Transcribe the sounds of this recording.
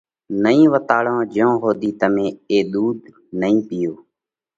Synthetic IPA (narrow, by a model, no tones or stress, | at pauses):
nəĩːʋət̪aːɭõːd͡ʒõːɦoːd̪iːt̪əmẽːeːɗ̪uːd̪ | nəĩːpɪjoː